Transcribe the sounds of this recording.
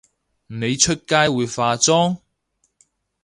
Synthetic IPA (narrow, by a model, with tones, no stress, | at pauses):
ne˨˧jt͡ʃʰɵ˥t̚kaː˥jwuː˨˧jfaː˧t͡sɔː˥ŋ